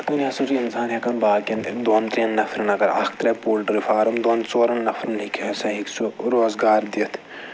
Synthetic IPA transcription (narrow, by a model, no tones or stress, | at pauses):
t̪ɐnɐsuɾiɐnsaːnɦekɐnbaːkɐnd̪oːnt̪ɾenːɐfʰɾɐnɐɡɐɾɐ̰k̚ʰt̪ɾɐpuːlʈɾifʰaːɾɐmd̪oːnt͡soːɾɐnːɐfʰɾɐnlikʰeɐsɐɦiksuɾoːzɡaːɾd̪iɐt̪ʰ